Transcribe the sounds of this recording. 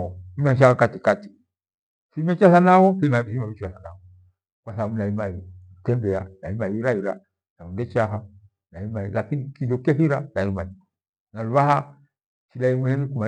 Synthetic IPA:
ɔm̩ɛʃ̬ahakatikati̥ | simɛt͡ʃasanawɔkimasimaβit͡ʃasanawɔ | kwaθabunaimai | tɛmbɛanaimaiiɾaiɾa̰ | naβundɛt͡ʃaɦa | naimailakinikidɔkɛɦiɾanaimaiɔ | naluβaɦa | ʃilaimwɛhɛnikuma

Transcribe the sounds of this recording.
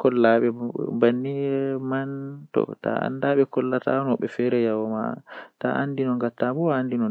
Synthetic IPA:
kɔlːaɓɛbanːimantɔ̰ta̰a̰ndaɓɛkɔlːata̰nɔɓɛfɛɾɛjawɔma̰ta̰ʔandinɔŋɡatːabɔaːndinɔ

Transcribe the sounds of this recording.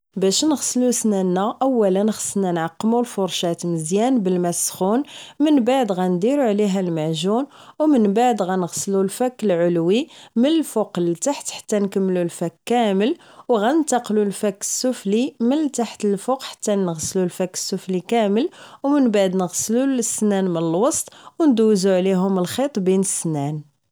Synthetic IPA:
bæʃnəɣslusnænːæʔæwːælənxə̥sənænʕɑqːmulfʊɾˤʃæt̪məzjænbəlmæsxunmənbaʕd̪ɣænd̪iɾuʕliɦælmaʕʒunwmənbaʕd̪ɣænəɣslulfækːəlʕʊlwimənəlfoqlt̪aħt̪ħḁt̪ːænkəmːlulfækːæməl | wɣæənt̪ɑqlulfækːə̥sːʊflimənt̪aħt̪əlfʊqħḁt̪ːænəɣslulfækːə̥sːʊflikæməlwmənbaʕd̪nəɣslulsːnænmənəlwɑsˤt̪ˤwnd̪uwzuʕliɦʊməlxit̪ˤbinəsːnæn

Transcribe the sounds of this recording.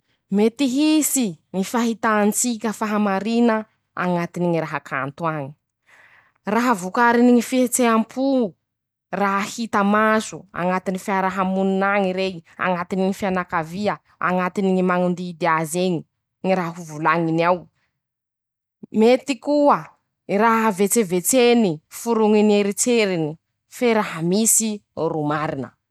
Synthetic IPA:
met̪iɦisiŋifaɦit̪aːnt͡sikʲəfaɦamaɾinə | a̰ŋat̪iniŋiɾaɦakʰant̪uaŋi̥ | raɦəvukaɾiniŋifiet͡seampʰu | raɦahit̪amazua̰ŋat̪inifiaɾaɦamununaŋiɾeia̰ŋat̪iniŋifianakaviə | a̰ŋat̪iniŋimaŋund̪iːd̪eazeɲi | ŋiɾaɦɦuvulaŋiniaw | met̪ikuə | raɦavet͡sevet͡senifuɾuŋineɾit͡seɾini | feɾaɦəmisirumaɾinə̰

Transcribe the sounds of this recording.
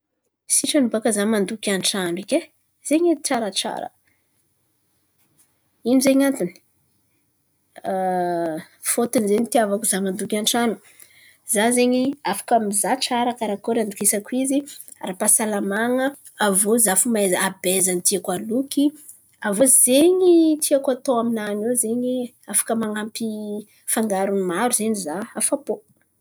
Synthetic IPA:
siʈ͡ʂanubakəzamand̪ukʲanʈ͡ʂanɖ͡ʐikʲe | z̥eɲiʈ͡ʂaɾaʈ͡ʂa̰ɾə̰ | inizeɲant̪in | fot̪inzenit̪iavakuzamand̪ukʲanʈ͡ʂanu̥ | zazeɲiafḁkamizaʈ͡ʂaɾakaɾakoɾand̪ukisakizi | rapasalamaŋə | avozafumezabezanit̪iakwaluki | avozeɲit̪ʰiakat̪oaminanewzeɲi | afḁkəmaŋampi | faŋɡaɾunimaɾuz̥eɲizaafapo

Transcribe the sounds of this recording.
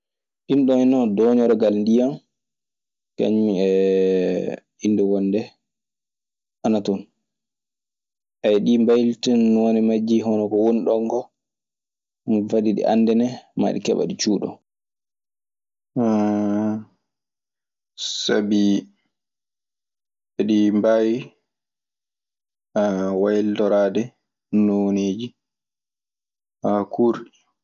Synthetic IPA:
ʔinɗɔnɔdɔɲɔɾɔɡalndijam | ka̰ɲɛ | indɛwɔnːdɛ | ʔanatɔn | ʔajɗimbajltinːɔnɛmad͡ʒːiɦɔnɔkɔwonɗɔŋɡɔ | nvadiɗḭʔa̰nːdɛnɛma̰ɗikɛɓa̰ɗit͡ʃuːɗɔ̰ | sabi | ɛɗimbawi | awajldɔɾaːdɛ | noneːd͡ʒi | akʰuɾɗi

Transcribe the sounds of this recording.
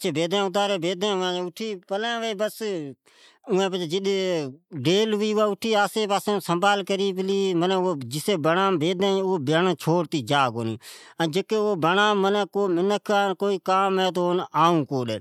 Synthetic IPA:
ət͡ʃʰeːbeːd̪ãːʊt̪̬aːɾeːbeːd̪ʱãːʊãːʊʈʰiːpəlãːʋeːbəs | ʊːẽːpət͡ʃːd͡ʒɪɗ | ɖeːlʋiːʊaːʊʈʰiːaːseːpaːsẽːsəmbaːlkəɾiːpəliːmənɛd͡ʒɪseːbənãːmbeːd̪ãːoːbəːnːt͡ʃʰoːɽt̪iːd͡ʒaːkoːnḭ̃ːəd͡ʒəkːeːoːbənaːənɛ̃ːkoːmɪnəkʰaːnkoːiːkaːmɛ̃ːt̪̬onaːũːkoːɗɛ̰ː

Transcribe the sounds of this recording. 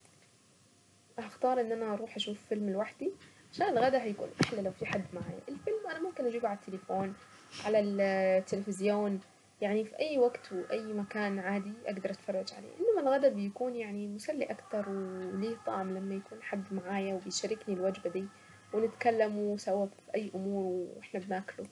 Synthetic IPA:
ʔaaxt̪ɑːɾˤʔɪnːʔanaʔɑɾˤuːħʔaʃuːffɪlmɪlwaħd̪̥iʕaʃaːnɪlɣad̪aɦajakṵːnʔaħlalawfiħad̪ːmaʕaːja̰ʔɪlfɪlmʔanamʊmkɪnʔad͡ʒiːbʕalat̪ʰːɪlɪfoːn | ʕalalt̪ːɪlɪfɪzjoːn | jaʕnifiʔajːwaɡt̪wɪʔajːmakaːnʕaːd̪iʔa̰ɡd̪ɑɾˤʔat̪fɑrˤːɑd͡ʒʕa̰lḛʔɪnːamalɣad̪abɪjakuːnjaʕnimʊsalːiʔakt̪ɑɾˤwliːt̪ˤɑ̰ʕmlamːajakuːnħad̪ːmaʕaːjawbɪjʃaɾɪknilwad͡ʒbad̪iː | wɪnɪt̪kalːamusawːabiʔajːʔʊmuːɾwʔɪħnabnaːklu

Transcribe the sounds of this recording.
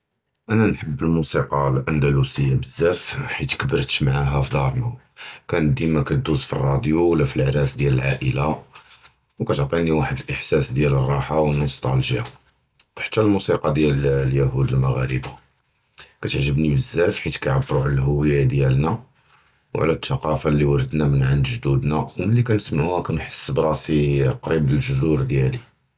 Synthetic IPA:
ʔænænħəbːəlmusiqɑlʔænd̪ælusəjːabəzːæfħit̪kəbəɾt̪maʕaɦæfid̪ɑɾˤna | kænəd̪imækæt̪̚d̪uzfirˤːɑd̪juwəlːæfilʕɾæsd̪jæləlʕaʔəla | wkæt̪oʕt̪ˤiniwaħəd̪əlʔəħsæsd̪jælərˤːɑħawnost̪ˤɑ̰lʒja | ħə̥t̪ːælmusiqɑd̪jælljæɦud̪əlmaɣæ̰ɾə̰ba | kæt̪əʕʒəbnibəzːæfħit̪kæjʕabːɾuʕlælɦʊwəjːad̪jælnæ | wʕlæt̪ʰːɑqɑfalːiwɑɾəd̪næmənʕand̪ʒd̪ud̪næwməlːikænəsmaʕuhækænħə̥sːbɾˤɑsiqɾibbəlʒʊzuɾd̪jæli

